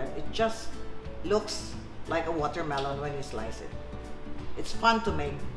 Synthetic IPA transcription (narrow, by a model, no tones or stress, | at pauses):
ɪt̚ʒ̥ʌstlʊks | lʔaɪkəwɔtə˞mɛlə̃nwɛ̃nɪtsla̰ɪsɪ̰t̚ | ʔɨtsfʌ̃ntumeɪk